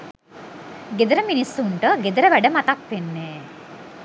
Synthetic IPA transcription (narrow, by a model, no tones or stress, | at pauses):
ɡed̪əɾəminisːuɳʈəɡed̪əɾəʋæɖəmat̪ak̚ʋenːeː